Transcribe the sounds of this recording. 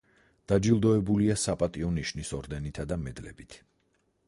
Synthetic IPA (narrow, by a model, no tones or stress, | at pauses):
d̪̥ad͡ʒilˠd̪ɔɛbuliasapʼat̪ʼiɔniʃnisɔɾd̪ɛnit̪ʰad̪amɛd̪lɛ̰bit̪ʰ